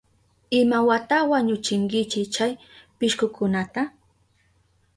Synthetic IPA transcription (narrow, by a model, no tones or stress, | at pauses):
ɪmawat̪awaɲʊt͡ʃɪŋkɪt͡ʃɪt͡ʃaj | pɪʃkʊkʊnat̪a